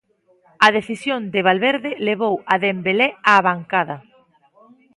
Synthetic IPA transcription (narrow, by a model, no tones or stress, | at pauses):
ɐðeθisjond̪ɪβ̞alβeɾðɪleβ̞owaðembelɛaːβaŋkaðɐ